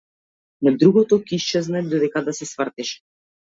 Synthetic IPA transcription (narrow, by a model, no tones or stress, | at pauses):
nad̪ɾuɡɔt̪ɔkʲiist͡ʃɛznad̪ɔd̪ɛkad̪asɛsvrt̪iʃ